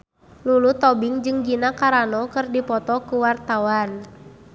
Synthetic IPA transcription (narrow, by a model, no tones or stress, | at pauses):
lulut̪ɔbɪŋd͡ʒɨŋd͡ʒinakaɾanɔkɨrdipɔt̪ɔkuwart̪awan